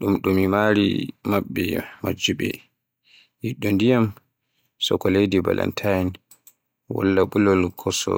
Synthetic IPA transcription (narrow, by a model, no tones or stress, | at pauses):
ɗumɗumimaɾḭmaɓːɛmad͡ʒuɓɛ̰ | jiɗːɔndijam | sɔkɔlejdiba̰lʔa̰ntʰajɛn | wɔ̰lːaɓulɔlkʰɔsɔ̰